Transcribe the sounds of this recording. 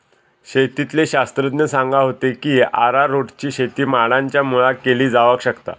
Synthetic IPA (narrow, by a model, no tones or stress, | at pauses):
ɕet̪it̪leɕast̪ɾəd̪nəsãŋɡaɦot̪ekiːa̰ɾaɾoʈt͡ɕiːɕet̪iːmaɽãɲt͡ɕjamuɭakeliːd͡zaʋəkɕəkt̪a̰